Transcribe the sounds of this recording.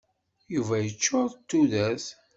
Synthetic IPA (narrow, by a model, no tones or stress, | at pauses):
juvæjət͡ʃːoɾt̪ːuðæθ